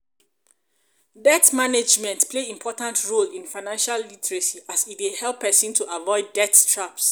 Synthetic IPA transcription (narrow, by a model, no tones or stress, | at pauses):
dɛtmaned͡ʒmɛ̃ntpʰleĩmpʰɔtãntʰɹolĩnfaɪnãnʃalːitɹesiʔasifwehɛlˠpʰːɛsĩntʰuʔavɔɪdːɛttʰɹaps